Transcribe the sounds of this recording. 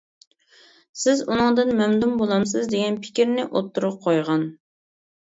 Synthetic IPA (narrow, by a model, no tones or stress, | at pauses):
sɪzunɨŋd̪ɨnmɛmd̪umbolˠɑms̬ɨzd̪eɡʲɛnpʰɪ̥kʲiɾnɪʔot̪ʰːuɾʊp̚qʰojʁɑn